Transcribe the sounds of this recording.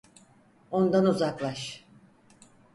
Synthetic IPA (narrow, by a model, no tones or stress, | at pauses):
o̞nd̪anuzaklˠaʃ